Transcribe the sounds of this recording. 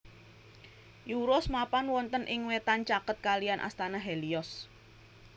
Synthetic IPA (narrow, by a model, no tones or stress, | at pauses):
juɾɔsmapanwɔnt̪ənʔɪŋwet̪ant͡ʃakət̪̚kalijanʔa̰st̪anaɦeliɔs